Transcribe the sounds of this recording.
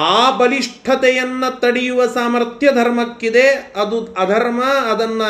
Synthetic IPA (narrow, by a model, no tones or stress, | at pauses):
aːbɐliʂʈʰɐt̪ɛjɐnːɐt̪ɐɽijuʋɐsaːmɐɾt̪jɐd̪ʱɐɾmɐkːid̪eɐd̪uɐd̪ʱɐɾmɐːd̪ɐnːɐ